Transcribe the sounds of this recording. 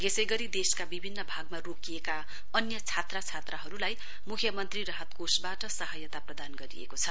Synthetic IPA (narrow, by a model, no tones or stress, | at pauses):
ɡesʌjɡʌɾid̪eskabibʱinːʌbʱaɡmarokijeka | ʌnjʌt͡sʰat̪rat͡sʰat̪raɦʌɾulaj | mukʰjʌmʌnt̪rirʌɦʌt̪kosbaʈʌsʌɦʌjʌt̪aprʌd̪anɡʌɾḭḛkot͡sʰʌ